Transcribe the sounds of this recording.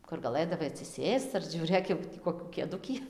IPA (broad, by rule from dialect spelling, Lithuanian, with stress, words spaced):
kʊr ɡɐˈlˠɘdɐʋɐɪ ɐtʲsʲɪˈsʲeːst͡s ɐr ʒʲuːˈrʲeːk jɛʊ ˈtʲiː koːˈkʲuː kʲeːˈdʊkʲiː